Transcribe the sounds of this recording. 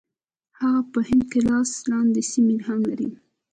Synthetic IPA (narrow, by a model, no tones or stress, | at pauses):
haɣapəhɪnd̪̚kelɑslɑnd̪esimelhaŋɡlaɾḭ